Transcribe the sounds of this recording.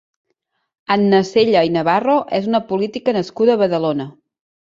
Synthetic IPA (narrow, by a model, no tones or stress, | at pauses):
ənːəseʎəinəβ̞aroʔɛzunəpulit̪ikənəskuðəːβəðəlonə